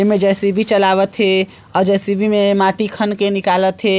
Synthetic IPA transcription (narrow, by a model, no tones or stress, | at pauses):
emed͡ʒɛsibʱit͡ʃəlabət̪ɦe | ɔɾd͡ʒɛsibʱimemaʈikʰənkenikalət̪ɦe